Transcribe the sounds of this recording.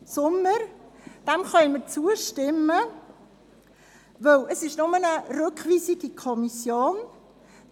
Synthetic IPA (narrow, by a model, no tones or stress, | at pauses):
sʊmːəɾd̥ɛmχœnməɾt͡suəʃtɪmːə | ʋœwʔəsɪʃnʊmənərøkχʋiːsiɡ̥ikʰɔmisjoːn